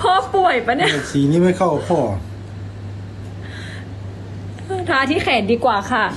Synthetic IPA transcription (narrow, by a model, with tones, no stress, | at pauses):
pʰɔː˥˩pu˨˩əjpa˧ni˧˥˩a˨˩ksiː˨˦niː˧˥˩ma˥˩kʰa˥˩wpʰɔː˧˩ | ʔɤː˧˩t̪ʰaː˧t̪ʰiː˥˩kʰɛː˨˦ndiː˧kwaː˨˩kʰa˧˥˩